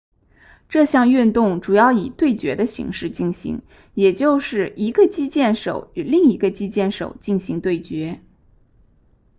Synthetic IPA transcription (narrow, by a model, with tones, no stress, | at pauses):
ʈ͡ʂɤ˥˧ɕjɑ˥˧ŋy˥˧nt̪ʊ˥˩ŋʈ͡ʂu˨˩jɑ˥˩ʊi˨˩t̪we˥˩ɪt͡ɕɥɛ˧˥d̪ə˧ɕḭ˧˥ŋʂɻ̩˥˧t͡ɕi˥˩nɕḭ˧˥ŋ | jɛ˨˩t͡ɕjo˥˧ʊʂɻ̩˥˩i˧˥ɡə˧t͡ɕi˥t͡ɕjɛ˥˩nʂo̰˨˩˦ʊy˨˩li˥˩ŋi˧˥ɡə˧t͡ɕi˥t͡ɕjɛ˥˩nʂo̰˨˩ʊt͡ɕi˥˩nɕi˧˥ŋt̪we˥˩ɪt͡ɕɥɛ˧˥